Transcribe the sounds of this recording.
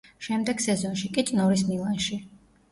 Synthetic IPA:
ʃɛmd̪ɛɡ̥sɛzɔnʃikʼit̪sʼnɔɾismilˠanʃi

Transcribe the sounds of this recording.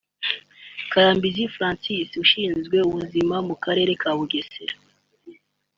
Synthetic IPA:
kaɾaːmbizifɾãːnsisuʃiːnzɡwe̞uβuzimamukaɾe̞ːɾe̞kʰaːβuɡe̞seɾa

